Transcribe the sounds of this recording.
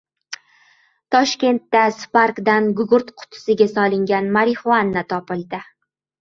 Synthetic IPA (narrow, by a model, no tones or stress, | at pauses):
t̪ʰɒʃkʲe̞nt̪ːaspaɾkd̪anɡʊɡʊɾt̪qʰʊ̥t̪ʰɪ̥sɪɡʲasɒlˠɪŋɡʲanmaɾɪχwanːat̪ʰɒpɪlˠd̪ɪ